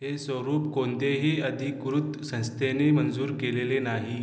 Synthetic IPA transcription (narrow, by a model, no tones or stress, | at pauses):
ɦesʋəɾuːpkont̪eɦiːəd̪ʱikʋɾut̪sə̃nst̪ʰenemənd͡zuːɾkelelenaɦi